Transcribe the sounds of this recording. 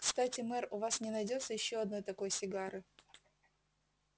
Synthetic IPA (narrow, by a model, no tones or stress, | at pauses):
kst̪atʲɪmɛrʊvasnʲɪnɐjdʲo̞t̪səjɪɕːoɐd̪no̞jt̪ɐko̞jsʲɪɡaɾɨ